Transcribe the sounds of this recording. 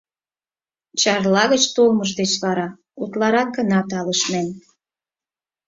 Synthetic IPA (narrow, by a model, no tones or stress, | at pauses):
t͡ɕɑrlɑɣət͡ɕt̪olməʒd̪et͡ɕβɑɾɑ | ut̪lɑɾɑk̚ɡənɑt̪ɑləʃmen